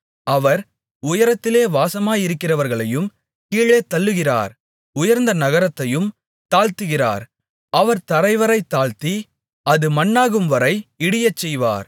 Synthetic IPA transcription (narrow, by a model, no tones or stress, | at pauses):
ɐʋɐɾ | ʊjɐɾɐt̪ːɪleːʋaːsɐmaːjɪɾɯkːɪrɐʋɐɾɣɐɭɐjɯm | kiːɭeːt̪ːɐɭːɯɣɪra̰ːɾ | ʊjɐɾnd̪ɐnɐɣɐɾɐt̪ːɐjɯm | t̪aːɻt̪ɯɣɪra̰ːɾ | ɐʋɐɾt̪ɐɾɐɪʋɐɾɐɪt̪ːaːɭt̪i | ɐðɯmɐnːaːɣɯmʋɐɾɐɪɪɽɪjɐt͡ʃːɛjʋa̰ːɾ